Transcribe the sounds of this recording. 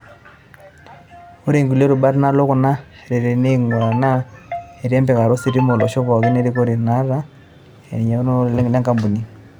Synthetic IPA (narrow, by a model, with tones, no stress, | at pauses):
u˦ɾe˨ŋɡu˨lɛ˦ɾu˨ba˦ɾna˦lɔ˦ku˨na˦ɛ˨ɾɛ˨ɾɛ˨ne˦ŋɔ˨ɾa˨na˦ɛ˨ɾɛ˦mbɛ˨ka˨ɾɔ˦si˨ɾi˦mɔ˨lɔ˨ʃɔ˦βɔ˨ki˦nɛ˦ɾi˦kɔ˦ɾi˨na˦ɾa˦ | ɛ̰˨ɲa˨˦n˦llɛ˦ŋɡa˦mbu˨ni˦